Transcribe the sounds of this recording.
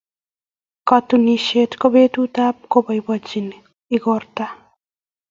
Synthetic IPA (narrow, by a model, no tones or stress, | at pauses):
kat̪uniʃet̪kɔbet̪ut̪ap̚kobajbɔd͡ʒin | iɡɔɾt̪a